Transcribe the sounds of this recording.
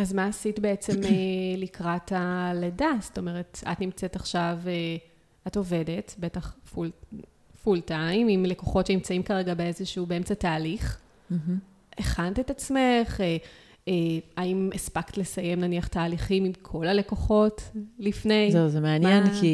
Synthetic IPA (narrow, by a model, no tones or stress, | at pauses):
azmaːsitbe̞et͡se̞melikʁataledasto̞me̞ʁe̞ta̰tnimt͡setaχʃave | ato̞vede̞tbe̞taχful | fultajmimle̞koχotʃenimt͡saimkaʁeɡabeezeʃuːbeemt͡sataːliχ | m̩ | eχantetat͡sme̞χe | eaimespaktle̞saje̞mnaniaχtaːliχimimkʰo̞lale̞ko̞χo̞tlifne̞jzeuzemeanjenki